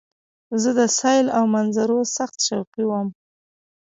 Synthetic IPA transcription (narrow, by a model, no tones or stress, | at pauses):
zəd̪əsɑjlawmanzaɾosaxt̪ʃawqiwəm